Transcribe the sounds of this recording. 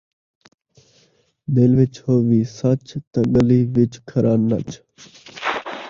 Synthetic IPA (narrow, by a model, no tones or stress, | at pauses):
d̪elʋɪt͡ʃhoːʋiːsɐt͡ʃt̪ɐ̃ɡəliːʋɪt͡ʃkʰəɾʔaːnːɐ̰t͡ʃ